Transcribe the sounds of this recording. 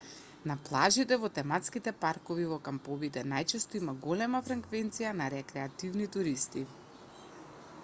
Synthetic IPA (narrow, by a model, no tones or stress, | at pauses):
naplˠaʒit̪ɛvɔt̪ɛmat̪skit̪ɛpaɾkɔvivɔkampɔvit̪ɛnajt͡ʃɛst̪ɔimaɡɔlɛmafɾaŋkvɛnt̪sijanaɾɛkɾɛat̪ivnit̪uɾist̪i